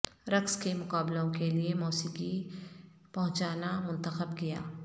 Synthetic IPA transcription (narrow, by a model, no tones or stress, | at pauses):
ɾɐkskemʊqaːblõkeliemɔːsiːki | pɐ̃ɦʊ̃t͡ʃaːnamʊ̃nt̪əxəbkija̰ː